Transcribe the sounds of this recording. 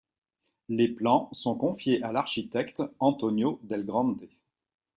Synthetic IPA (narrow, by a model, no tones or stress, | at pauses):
leplɑ̃sɔ̃kɔ̃fjeʔalaʁʃit̪ɛkt̪ɑ̃t̪ɔnjod̪ɛlɡʁɑ̃d̪e